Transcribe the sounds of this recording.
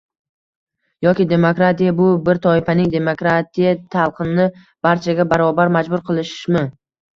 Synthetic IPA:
jɒkʲɪd̪e̞mokɾat̪ijabʊbɪɾt̪ʰɒɪfanɪŋd̪e̞mokɾat̪ʰijat̪ʰalˠqʰɨnɪ | b̥aɾt͡ʃʰaɡʲabaɾɒbaɾmad͡ʒbʊɾqʰɨlˠɪʃmɪ

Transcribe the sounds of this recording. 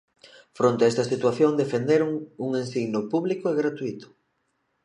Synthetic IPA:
fɾont̪eaɛst̪ɐsit̪waθjoŋd̪efend̪eɾʊŋuŋensiɣnʊpuβlikʊeɣɾat̪uit̪ʊ̥

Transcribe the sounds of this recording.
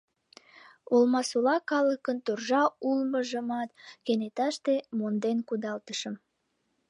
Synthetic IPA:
olmɑsulɑkɑləkənt̪urʒɑulməʒəmɑt̪kenet̪ɑʃt̪emond̪enkud̪ɑlt̪əʃəm

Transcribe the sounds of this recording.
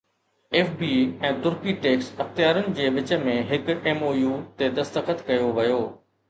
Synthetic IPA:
eːfbiːɛ̃ːt̪ʊɾkiʈeːksɐxt̪ijaːɾʊnɪ̆d͡ʑeːʋɪt͡ɕə̆mẽɦɪkeːmoːjuːt̪ed̪ɐst̪əxət̪kɐjoʋɐjoː

